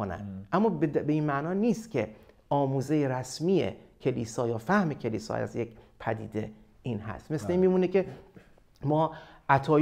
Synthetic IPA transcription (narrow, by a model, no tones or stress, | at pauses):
onæ̰nd̪ʔæmːɒːbbeiːnmæʔnɒːniːst̪kʲʰe̞ | ɒːmuːzejeɾæsmiːjḛkʰe̞liːsɒːjɒːfæhme̞kʰe̞lḭːsɒ̰æ̰zjekpʰæd̪ḭːd̪e̞ | iːnɦæ̰st̪me̞sleiːnmiːmuːneke̞ | mɒːʔæt̪ʰɒː